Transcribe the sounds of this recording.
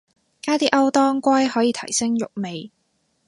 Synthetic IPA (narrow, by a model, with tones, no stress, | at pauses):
kaː˥t̪iː˥ʔɐ˥wt̪ɔː˥ŋkʷɐ˥jɦɔː˨˥jiː˨˧t̪ʰɐ˨˩jsɪ˥ŋjʊ˨k̚me˨j